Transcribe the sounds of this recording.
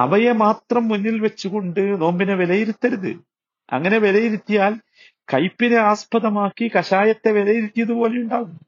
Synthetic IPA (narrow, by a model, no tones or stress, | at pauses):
ɐ̰ʋɐjemaːt̪rɐmːunːilʋet͡ɕːuɣo̞ɳɖɨno̞ːmbineʋelɐjiɾut̪ːɐɾuðɨ̰ | ɐ̰ŋːɐne̞ʋelɐjiɾit̪ːijaːl | kɐjpːine̞aːspɐðɐmaːkːikɐɕaːjɐt̪ːe̞ʋelɐjiɾit̪ːijɐðupo̞ːlejuɳɖaːɣunː